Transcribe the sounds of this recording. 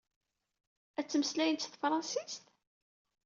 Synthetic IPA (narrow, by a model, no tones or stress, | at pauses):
æt͡sːəməslæjənt̪sθfɾˤɑnsist̪